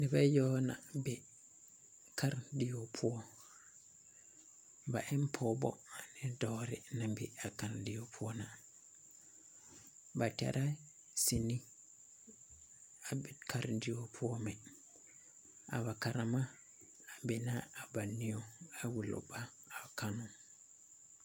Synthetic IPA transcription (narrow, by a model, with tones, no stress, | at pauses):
ni˨ba˦jo˦na̰be˨ | ka˦ɾdi˨jo˨pʰu˦o˦ | ba˨ʔe˦mpʰobo̰a˨nidoɾḭnambḭ˨a˨kaɾdi˨jo˨pʰu˦o˦na | bata̰ɾʔa˦ | si˨ni˦ | abikʰaɾdiopʰu˦o˦mɛ | a̰˨βa˨kaɾamaː˦˨ | bɛ˨naː˨ba˨nːi˦joawu˨lo̰˨ba˦ | a˨kanu